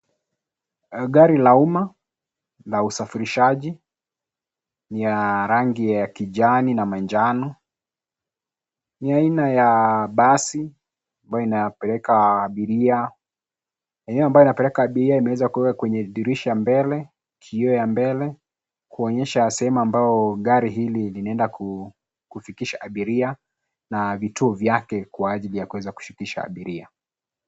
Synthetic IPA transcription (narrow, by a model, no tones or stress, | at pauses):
ɠaɾilauma | lausafiɾiʃaʄi | nijaɾaŋɡijakiʄaninamand͡ʒanɔ | niainajaɓasi | ambajɔinapɛlɛkaːɓiɾia | ɛnɛɔambajinapɛlɛkaːɓiɾiaimɛwɛzakuwɛkakwɛɲɛɗiɾiʃajambɛlɛ | kʰiɔjambɛlɛ | kuɔɲɛʃasɛhɛmuambaɔɠaɾiɦililinaɛndaku | kufikiʃaʔaɓiɾia | navituɔvjakɛkwaːʄilijakuwɛzaku̥ʃi̥kiʃa̰ːɓiɾia